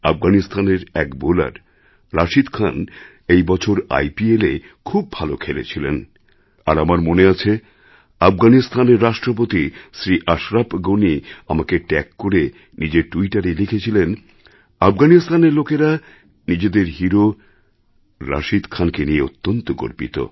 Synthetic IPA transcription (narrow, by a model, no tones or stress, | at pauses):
afɡanist̪ʰaneɾɛ̰kbola̰ɾː | aʃid̪kʰan | ejbɔt͡ɕʰoɾa̰jpiele | kʰubːʱalokʰelḛt͡ɕʰilḛn | a̰ɾamaɾmoneat͡ɕʰe | afɡanist̪ʰaneɾːaʃʈɾop̬ot̪isɾiʔaʃɾabɡoniamakeʈɛkːoɾe | nid͡ʑeʈuiʈaɾelikʰet͡ɕʰilen | afɡanist̪aneɾlokeɾa | nid͡ʑed̪eɾɦiɾo | ɾa̰ʃid̪kʰankenieot̪ːont̪oko̰ɾpit̪o̰